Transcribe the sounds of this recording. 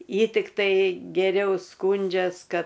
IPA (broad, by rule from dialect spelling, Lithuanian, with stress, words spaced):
ˈjɪ tʲɪkˈtɐɪ ɡʲɛˈrʲɛʊ ˈskuːnʲd͡ʒʲɛs ˈkɐt